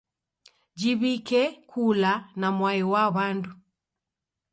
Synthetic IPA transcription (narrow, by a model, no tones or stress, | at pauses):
d͡ʒiβikɛkʰulanamwaiwaβandu